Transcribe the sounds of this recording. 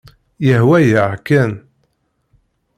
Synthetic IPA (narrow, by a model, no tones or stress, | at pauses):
jəɦwæjəʕkːæn